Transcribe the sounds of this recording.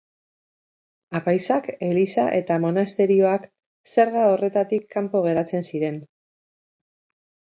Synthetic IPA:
apajsake̞lisaʔe̞t̪amo̞nast̪e̞ɾio̞ak | se̞ɾɣao̞re̞t̪at̪ikʰːampo̞ɣ̞e̞ɾat͡se̞nsiɾe̞n

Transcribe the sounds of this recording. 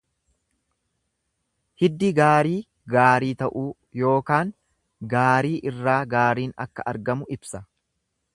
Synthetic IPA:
hɪd̪ːɪɡaːɾiː | ɡaːɾiːt̪ɐʔuː | jo̞ːkaːŋ | ɡaːɾiːʔɪrːaːɡaːɾiːnɐ̰kːɐʔɐɾɡɐmʊɪbsɐ

